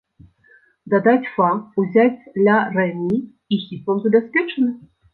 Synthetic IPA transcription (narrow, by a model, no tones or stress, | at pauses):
d̪ad̪at͡sʲfauzʲat͡sʲd̪lʲarɛnʲi | ixʲit̪lˠɐmzɐbʲaspʲɛt͡ʂɐnɨ